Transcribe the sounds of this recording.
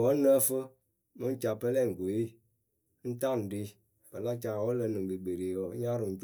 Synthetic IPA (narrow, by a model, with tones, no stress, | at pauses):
wɔ˨˦nə˦fə˦ | mɨ˦n̩˦t͡ʃa˨pə˦lɛ˦˨ŋ̩˨ɡo˨i˦ | n̩˦ta˦˨n̩˨di˧ | bə˨la˦t͡ʃa˨wɔ˦lə˧˨nɨ˨ŋ˨bi˨ɡ͡be˨ɾe˨wɔ˨˦ɲa˦ɾɨ˨n̩˦t͡ʃ